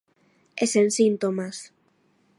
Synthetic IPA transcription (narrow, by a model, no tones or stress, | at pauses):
esensint̪omas